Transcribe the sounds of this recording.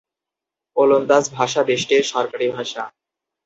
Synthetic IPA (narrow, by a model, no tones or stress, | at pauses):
olond̪asbʱaʃad̪eʃʈeʃɔɾkaɾibʱaʃa